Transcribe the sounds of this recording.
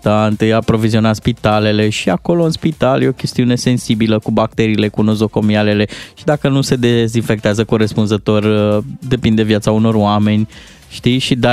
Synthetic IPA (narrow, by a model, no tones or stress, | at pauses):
t̪ant̪ɨjapɾo̞vizio̞nat̪spit̪ale̞le̞ʃiako̞lo̞ɨnspit̪aljeokʲe̞st̪iune̞se̞nsibiləkubak̚t̪e̞ɾiːle̞kunozo̞ko̞miale̞le̞ʃid̪akənuse̞d̪ezinfe̞k̚t̪eazəkoɾespunzət̪o̞rəd̪e̞pind̪e̞vjat̪sauno̞roame̞nʲ | ʃt̪iʃid̪a